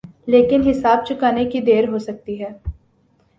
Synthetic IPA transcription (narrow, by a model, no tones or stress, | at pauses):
leːkɪnɦɪsaːb̚t͡ʃʊkaːnekid̪eːɾɦosɐk̚t̪iɦɛː